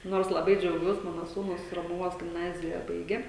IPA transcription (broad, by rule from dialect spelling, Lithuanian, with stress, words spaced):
ˈnoːrs lˠɐˈbɐɪ d͡ʒʲɛʊˈɡʲuɔs ˈmɑːnoː ˈsuːnʊs roːmʊˈʋoːs ɡʲɪmˈnɑːzʲɪjɛ ˈbɐɪɡʲeː